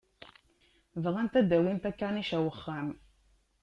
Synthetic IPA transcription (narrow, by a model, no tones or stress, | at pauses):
vʁænt̪æd̪æwint̪ækːaniʃæwəχːæm